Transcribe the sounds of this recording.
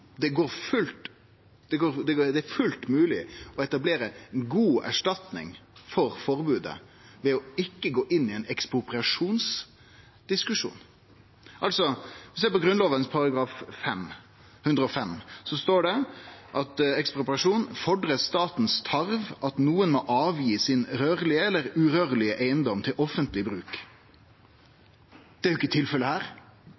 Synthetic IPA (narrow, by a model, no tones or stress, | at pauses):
d̪ɛɡoːɾfʉlt̪ | d̪̥ɛɡoːɾd̪ɛd̪ɛæɾfʉlt̪mʉːlɪɔɛt̪ɑbleːɾəɡuːæ̰ʂʈɑt̪nɪ̰ŋfɔɾfɔɾbʉːd̪ə̰ | ʋɛɔɪkːəɡoːʔɪnːɪɛɪnɛkspʁʊpʁɪɑʂuːns | d̪̥ɪskʉʂṵːn | ʔɑlsɔʋɪseːpɔɡɾʉnloːʋənspʰɑɾɑɡɾɑːffɛm | hʉnd̪ɾəɔfɛmsɔst̪oːɖɛʔɑt̪ɛkspɾʊpɾɪɑʂuːnfɔɖɾət̪st̪ɑːt̪n̩st̪ʰɑɾʋʔɑt̪nuːənmɔʔɑːʋjiːsɪnʁøːʁlɪəɛlːəɾʉʁøːʁlɪəʔeɪənd̪ɔmt̪ʰɪlʔɔfənt̪lɪbɾʉːk | d̪̥ɛæɾjɪkːət̪ʰɪlfɛləhæːɾ